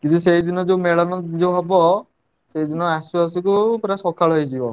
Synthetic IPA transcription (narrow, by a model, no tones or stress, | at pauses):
kint̪usejd̪inɔd͡ʒemeɭɔnɔd͡ʒewɦɔbɔ | sejd̪inɔasuasikupɾasɔkʰaɭɦɔjd͡ʒibɔ